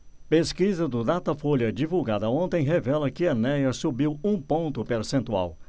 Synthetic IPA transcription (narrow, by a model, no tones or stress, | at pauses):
peskizɐd̪ʊd̪at̪ɐfoʎɐd͡ʒivuwɡad̪ɐõnt̪ẽj̃ɦevɛlɐkɪɐnɛjɐsubiwũpõnt̪ʊpeɾsẽnt̪ua̰w